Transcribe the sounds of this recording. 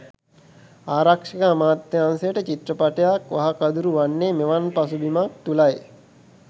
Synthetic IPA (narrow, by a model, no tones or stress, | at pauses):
aːɾakʂikaːmaːt̪ːjaːnsejəʈət͡ʃit̪rəpaʈejakʋaɦɐkad̪uɾuʋanːeːmeʋanpasubimak̚t̪ulaj